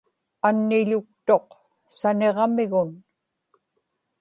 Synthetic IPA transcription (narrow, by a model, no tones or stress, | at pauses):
anːɪʎʊk̚t̪o̞q | sane̞ʁmɪɣʊn